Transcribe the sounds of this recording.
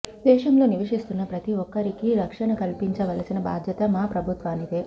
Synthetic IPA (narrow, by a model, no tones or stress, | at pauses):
d̪ɛːʂɐmlo̞ːniʋɐʂist̪unːɐpɾɐt̪iʋɔkːɐɾikiɾɐkʂɐnɐkɐlpiɲt͡ʃɐʋɐlɐsinɐba̰ːd̪ʱjɐt̪ɐmaːpɾɐbʱut̪ʋaːnid̪eː